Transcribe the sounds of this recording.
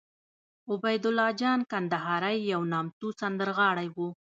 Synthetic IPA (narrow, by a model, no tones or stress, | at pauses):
ʊbajd̪ʊlːɑd͡ʒɑnkand̪aɦɑɾajːawnɑmt̪usand̪əɾɣɑɽajwu